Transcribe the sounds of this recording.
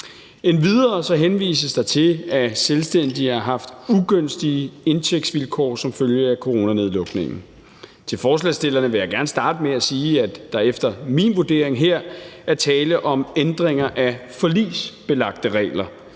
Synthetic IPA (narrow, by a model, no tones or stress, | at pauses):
enʋið̞ˠɐːsɒ̽ɦenʋḭːsəsd̥ɑ̈ɪt͡sʰe̝æselsd̥en̰d̥iɑ̈ɦɑ̈fd̥uɡ̥øn̰sd̥iəe̝nt͡sʰeɡ̥̚d̥sʋilkʰɒ̰ːsɒ̽mføljəækʰo̝ʁo̝næne̝ðˠlɔ̽ɡ̥ne̝ŋn̩ | t͡sʰe̝lfɒːslɛ̰sd̥e̝lɐnəʋe̝jäɪɡ̥æɐnəsd̥ɑ̈ːd̥əmeæsiːæd̥ɑ̈efd̥ɐminʋuɐd̥e̝ɐ̰eŋɦeɐ̰æɐt͡sʰɛːləʔɒ̽mend̥ʁeŋɐʔæfɒ̽lḭːsb̥e̝lɑ̈ɡ̥̚d̥əʁɛ̰ːlɐ